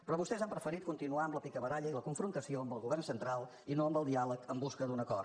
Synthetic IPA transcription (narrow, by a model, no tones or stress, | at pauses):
pɾɔβust̪ɛzampɾəfəɾit̪̚kunt̪inuaəmləpikəβəɾaʎəiləkuɱfɾunt̪əsioəmbəlˠɣuβɛrnsənt̪ɾalˠ | inoəmbəlˠd̪ialəkəmbuskəd̪unəkɔr